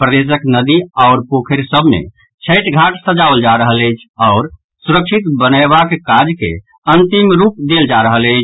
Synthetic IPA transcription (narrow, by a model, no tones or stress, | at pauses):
pɾəd̪es̬əknəd̪iaʊɾpokʰeɾsəbʱmḛ | t͡ʃʰəɪʈɡʱaʈsəd͡ʒaʋəld͡ʒaɾəɦələjt͡ʃʰɔʊɾ | suɾəkʃʰit̪bənabakkad͡ʒkḛ | ənt̪imɾupd̪eld͡ʒaɾəɦələɪt͡ʃʰ